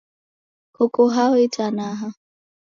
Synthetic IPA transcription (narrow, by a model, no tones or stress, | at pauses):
hukuɦawitanaɦa